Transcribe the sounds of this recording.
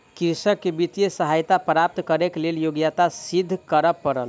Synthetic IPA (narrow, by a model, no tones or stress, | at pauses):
kiɾsəkːebit̪ijesəɦajt̪apɾap̚t̪kəɾekleljoɡjat̪asid̪ʱːkəɾəpːəɾəl